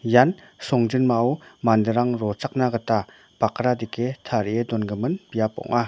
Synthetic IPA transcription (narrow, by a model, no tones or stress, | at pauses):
jansɔŋd͡ʒɯnmaɔwmandɯɾaŋɾɔt͡ʃak̚naɡɯta | b̥akɾadikʰetʰaɾiedɔnɡɯmɯnbijapɔ̰ŋʔa